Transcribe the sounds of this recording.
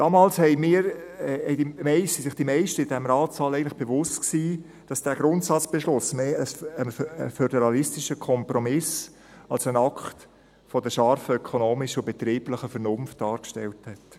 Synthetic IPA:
d̥ɑːmɑːlshɛɪmiːɾɛɪdimɛɪsisɪχd̥imɛɪʃtəɪd̥ɛmɾɑːtsɑːlɛɪəntlɪ̥χb̥evʊstksiː | d̥ɑsd̥æːɡɾʊntsɑt͡sb̥eʃlʊsmeːəənəfødɛɾɑlɪstɪʃəkʰɔmpɾɔmɪs | ɑlsənɑkχt | fɔdəʃɑrfəœkʰonoːmɪʃəʊbet̪ɾiːb̥ləχəfəɾnʊnft̚d̥ɑːɾkʃtɛlthɛt

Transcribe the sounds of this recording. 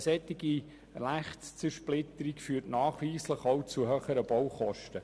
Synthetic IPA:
sɛt̪ːiɡi | læχst͡səʃplɪt̪əɾikfyːtnɑːχʋiːsləχɔwt͡suɦœːχəɾəb̥ɔwχɔʃtə

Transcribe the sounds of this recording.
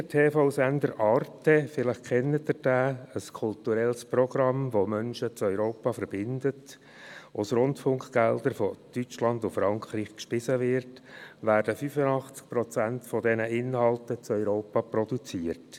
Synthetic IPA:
ətʰeːfoʊsænd̪əɾʔɑːrtəfɪləχkʰɛnːətəd̥æːəskʰʊlt̪uɾɛlsprɔɡɾɑmʋomœnʃət͡sœʏɾoːpɑfəɾb̥ɪndət | ʊsɾʊntfʊŋkχɡ̥ɛld̥̪əɾfɔtyt͡ʃlɑndʊfɾɑŋkɾiːχkʃpɪsəʋɪɾtʋæːɾd̥əfyfənɑχt͡sk̚pɾɔt͡sæntfɔdɛnəɪnhɑlˠtət͡sœʏɾoːpɑprɔdut͡siərt

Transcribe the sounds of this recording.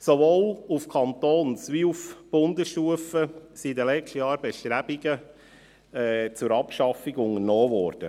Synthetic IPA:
sovoːlufkʰɑnt̪oːnsʋiufb̥ʊndəsʃtuəfəsidɛlɛtəjɑːɾbɛʃtɾæb̥iɡə | ɛːt͡sʊɾɑpʃɑfiɡʊŋəɾnɔːʋɔɾd̥ə

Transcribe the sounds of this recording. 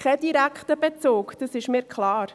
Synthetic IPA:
kʰɛd̥iɾækχtəb̥et͡soːkd̥əsɪʃmiːɾkχlɑːɾ

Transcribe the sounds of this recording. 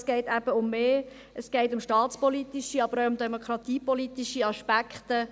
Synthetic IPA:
sɡ̥ɛɪtæb̥əʊmːeː | ʔəsɡ̥ɛɪtʊmʃtɑːt̪t͡spɔlitiʃiɑb̥əɾoʊʊmd̪ɛmokʰɾɑt̪iːpɔlit̪iʃiɑʃpækχt̪ə

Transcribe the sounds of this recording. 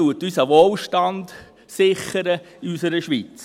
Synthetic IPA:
uətysəʋoːlʃtɑnd | sɪχːəɾə | ɪysəɾəʃʋit͡s

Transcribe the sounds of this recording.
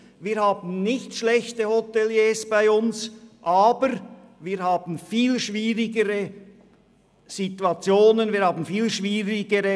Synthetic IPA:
viːhaːbn̩nɪçtʃlɛçtəhotɛljeːsb̥aɪʊnsʔaːbəɾviːhaːb̥n̩fiːlʃviːʁɪɡəʁə | z̥ituat͡sjoːnənviːɐɾhaːbn̩fiːlʃviːʁɪɡəʁə

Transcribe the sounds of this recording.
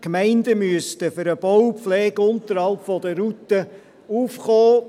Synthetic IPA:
kmæɪndəmyəstəfʏɾəb̥ɔwpflɛːɡʊntəɾhɑlpfɔdəɾut̪ə | uːfχɔː

